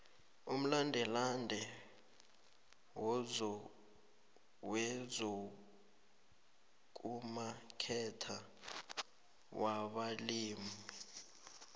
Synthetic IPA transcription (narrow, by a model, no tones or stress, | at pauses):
um̩landʱɛlandʱɛ | wɔzɔ | wɛzɔ | k̬ʼumakʰɛtʰa | waɓaliːmi